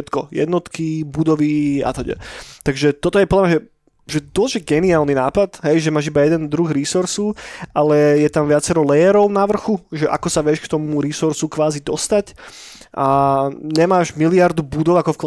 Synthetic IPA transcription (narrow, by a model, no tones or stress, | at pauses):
ɛt̪kɔjɛ̰d̪nɔt̪kibud̪ɔʋia̰t̪ɔɟɛ̰t̪aɡʒɛt̪ɔt̪ɔjɛpɔdlamɲaʒɛ | ʒɛd̪ɔlʒɛɡɛniaːlninaːpat̪ɦɛjʒɛmaːʒibajɛd̪ɛnd̪ɾuɣɾisuɾsuʔalɛjɛt̪amʋɪat͡sɛɾɔlɛjɛɾɔʊnaʋr̩xuʒɛʔa̰kɔsaʋɪɛʃkt̪ɔmuɾisuɾsukʋaːzid̪ɔst̪ac | ʔaɲɛmaːʒmiliaɾd̪ubud̪ɔʊakɔfk